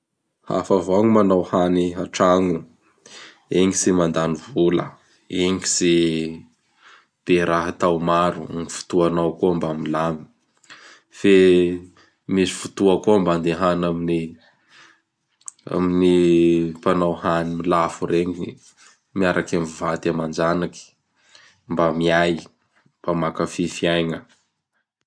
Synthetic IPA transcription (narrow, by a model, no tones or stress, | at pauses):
ha̰favoaŋumanawhaniaʈ͡ʂaŋu | eŋisimand̪anivulə̰ | eŋisi | b̥eɾaɦat̪awmaɾṵŋifu̥t̪uanawkuambamilami̥ | fe | misi̥fut̪uakuamband̪eɦanamini | a̰minipanawhanimilafuɾeŋii | miaɾakamivat̪amand͡ʒanaki̥ | mbamiaj | pamakəfifiajŋə